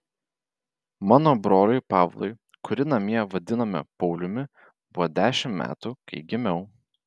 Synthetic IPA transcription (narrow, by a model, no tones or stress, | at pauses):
mɑːnoːbɾoːlʲʊɪpɑːʋlˠɔ̰ɪ | kʊɾʲɪnɐmʲiɛʋɐd̪ʲɪnɐmʲɪ̰pɒʊlʲʊmʲɪ | bʊʋɔːd̪ʲæːʃʲɪmmʲæ̰ːt̪ukɐ̰ɪɡʲɪmʲɛʊ